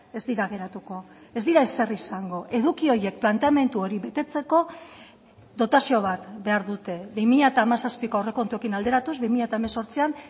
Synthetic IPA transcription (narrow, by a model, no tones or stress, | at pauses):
e̞zd̪iɾaɣe̞ɾat̪uko̞e̞zd̪iɾaese̞risaŋɡo̞ʔe̞ðukio̞je̞k̚plant̪eame̞nt̪uo̞ɾiβe̞t̪e̞t͡se̞ko̞ | d̪o̞t̪asio̞β̞at̪be̞aɾðut̪e̞βimiʎaet̪aːmasaspikoareko̞nt̪ue̞kinald̪e̞ɾat̪uzβimiʎat̪aemeso̞ɾt͡sian